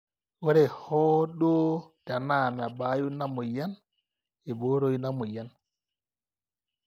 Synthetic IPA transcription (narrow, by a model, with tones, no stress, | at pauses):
wɔ˦ɾɛ˨hɔ˦ɗo˦d̥a˨na˨ma˨ba˨ju˦na˦mɔ˨ja˦n | ɛ˨bo˦ɾo˦jna˦mɔ˨ja˨n